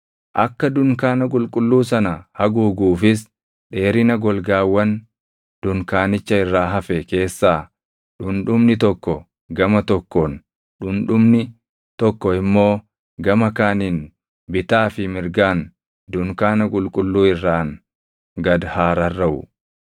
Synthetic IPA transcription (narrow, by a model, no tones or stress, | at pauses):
ʔɐkːɐd̪ʊŋkaːnɐk̬ʼʊlkʼʊlːuːs̬ɐnɐhɐɡuːɡuːfɪs̬ | ᶑe̞ːɾɪnɐɡɔlɡaːwːɐn | d̪̥ʊŋkaːnɪt͡ʃːɐɪrːaːɦɐfɛke̞ːsːaː | ᶑʊnᶑʊmnɪt̪ɔkːɔ | ɡɐmɐt̪ɔkːɔn | ᶑʊnᶑʊmnɪ | t̪ɔkːɔɪmːo̞ː | ɡɐmɐkaːniːn | bɪt̪aːfɪmɪɾɡaːn | d̪ʊŋkaːnɐkʼʊlkʼʊlːuːɪrːaːŋ | ɡɐd̪haːɾɐrːɐʔʊ̰